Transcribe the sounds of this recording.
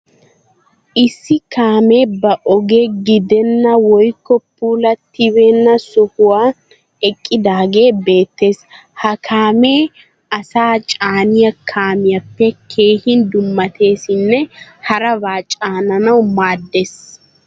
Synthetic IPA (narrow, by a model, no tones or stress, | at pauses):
ʔɪsːɪkaːmeːbɐʔɔɡeɡɪd̪ɛnːɐwɔjkːɔpːuːlɐt̪ɪβeːnːɐsɔhʊwaː | ɛkʼːɪd̪aːɡe̞ːbe̞ːt̪ːe̞ːs | hɐkʰaːmeː | ɐsaːt͡ʃʼaːnɪjɐkʰaːmɪjɐpːɛkʰe̞ːhɪnd̪ʊmːɐt̪ʰe̞ːsɪnːɛhɐɾɐbaːt͡ʃʼaːnɐnɐwmaːd̪ːes